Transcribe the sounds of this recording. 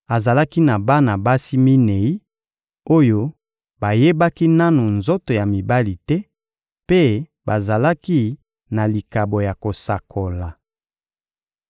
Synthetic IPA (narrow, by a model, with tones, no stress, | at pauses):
a˨za˨la˦ki˦na˨ba˦na˨ba˦si˦mi˦ne˨i˦ | o˦jo˦ | ba˨je˦ba˦ki˦na˦nu˨nzo˦to˨ja˨mi˨ba˦li˨tɛ˦ | pe˦ | ba˨za˨la˦ki˦ | na˨li˨ka˨bo˨ja˨ko˨sa˨kʰo˨la˨